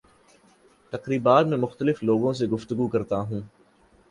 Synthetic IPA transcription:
t̪ɐqɾiːbaːt̪mẽmʊxt̪əlɪfloːɡõs̬eɡʊft̪əɡukɐɾt̪aɦũː

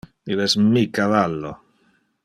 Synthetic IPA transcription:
iðezmikaβalo

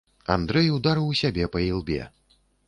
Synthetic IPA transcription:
a̰nd̪ɾɛjwd̪aɾɨwusʲabʲɛpɐilˠbʲɛ̰

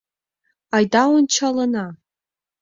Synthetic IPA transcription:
ajdawʊnt͡ʃʰalana

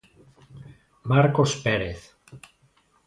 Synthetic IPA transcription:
maɾkospeɾeθ

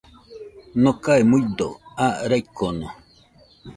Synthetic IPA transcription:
nõkaemujd̪oaɾajkono

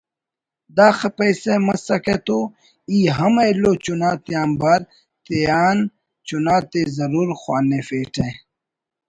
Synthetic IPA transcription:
d̪aːxɐpɐjsemɐsɐket̪oː | iːɦɐmɐiloːt͡ɕunaːt̪ijaːnbaɾ | t̪ejaːn | t͡ɕunaːt̪ezɐɾuːɾxwaːnefeːʈʰẽ

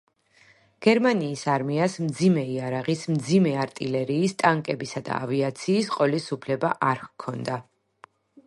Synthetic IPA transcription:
ɡ̥ɛɾmaniːsaɾmiasmd̪zimɛiaɾaʁismd̪zimɛaɾt̪ʼilɛɾiːst̪ʼaŋkʼɛbisad̪a̰a̰viat̪sʰiːsqʼɔlisupʰlɛbaʔaɾkʰɔnd̪a

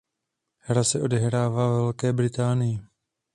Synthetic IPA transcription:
hɾasɛʔo̞dɛɦɾaːvaːvɛlkɛːbɾɪt̪aːnɪjɪ

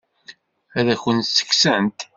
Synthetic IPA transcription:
æðæçənt̪sːə̥ksənt̪

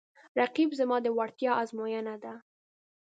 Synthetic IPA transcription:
ɾaqibzamɑd̪əwaɽt̪jɑʔazmojanad̪a

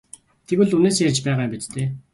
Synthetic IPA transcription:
t̪ʰeɣɘ̆ɮuneːs̬jert͡ɕpæːʁaːmpit̪t̪eː

